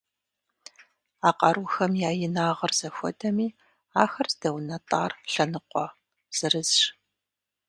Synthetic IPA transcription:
aːqɑɾuxɐmjaːjɪnaːʁɐrz̥ɐxʷɔ̰dʰɐmiː | aːxɐrzdɐwnɐtʼɑːrɬɐnɨqʷʼɔ | z̥ɨrɨzʃ

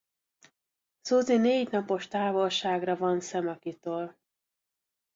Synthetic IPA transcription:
soːzineːɟnɒpo̞ʃt̪aːvolʃaːɡrɒvɒnsɛmɒkit̪oːl

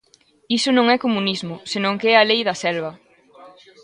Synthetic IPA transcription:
isʊnõŋɛkomunizmʊsenõŋkeɛɐlejðɐsɛlβɐ

